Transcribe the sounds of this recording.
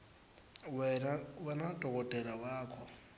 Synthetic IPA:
wɛnadʱʼɔkʼɔtʼɛlawaːkʰɔ

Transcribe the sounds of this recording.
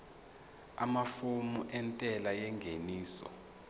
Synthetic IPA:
a̰mafumuʔɛntʼɛlajɛŋɡʱeniːsɔ̰

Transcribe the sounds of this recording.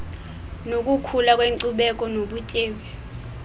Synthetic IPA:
nok̬ʼukʰulak̬ʼweŋǀuɓɛk̬ʼɔnoɓucʼeːɓɛ

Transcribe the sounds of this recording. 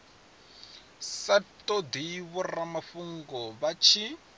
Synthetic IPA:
satʼod̪iβɔramafuŋɡɔβat͡ʃʰi

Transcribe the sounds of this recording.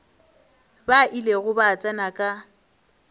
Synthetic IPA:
baʔileɣʊbat͡sʼanakʼa

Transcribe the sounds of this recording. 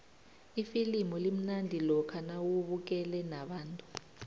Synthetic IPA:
ifilimɔlim̩nandʱilɔkʰanawuɓuk̬ʼɛlɛnaɓaːntʼu̥

